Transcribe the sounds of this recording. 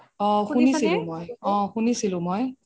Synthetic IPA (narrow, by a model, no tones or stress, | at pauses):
ɔ̃xunisilũmojɔ̃xunisilũmoj